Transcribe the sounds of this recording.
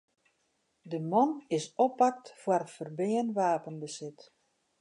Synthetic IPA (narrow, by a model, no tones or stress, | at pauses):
dəmɔnɪsɔpak̚tfwərəfərbɪənʋaːpənbəsɪt